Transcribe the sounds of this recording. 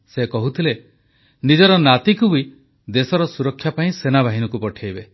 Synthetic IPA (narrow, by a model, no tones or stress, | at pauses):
sekɔɦut̪ʰile | nid͡ʒɔɾɔnat̪ikui | d̪esɔɾɔsuɾɔkʰːjapaĩsenabaɦinɔkupɔʈʰjajbe